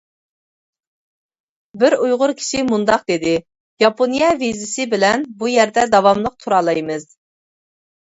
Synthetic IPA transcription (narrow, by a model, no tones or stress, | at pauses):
bɪɾujʁʊɾkʲʰi̥ʃimund̪ɑqd̪ɪd̪ɪ | jɑponijɛvizɪsɪbɪlɛnbujɛɾd̪ɛd̪ɑwɑmlˠəq̚t̪ʰuɾɑlˠɑjmɨz